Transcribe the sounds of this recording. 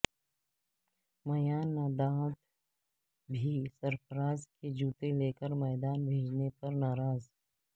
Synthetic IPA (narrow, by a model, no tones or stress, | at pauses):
mɐjaːnːaːd̪aːt̪ | bʱisɐɾpəɾaːzked͡ʒuːt̪eleːkəɾmɛːd̪aːnbʱeːd͡ʒnepɐɾnaːɾaːz